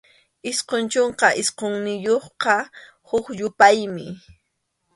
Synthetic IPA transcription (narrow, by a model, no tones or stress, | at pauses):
ɪsqont͡ʃoɴqɑʔɪsqoŋnɪjoχqɑ | hʊkʎʊpajmɪ